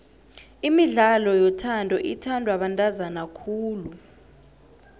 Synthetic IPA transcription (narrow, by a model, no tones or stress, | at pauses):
imiɮalɔjɔtʰandʱɔʔitʰandʱwaɓantʼazanakʰuːlu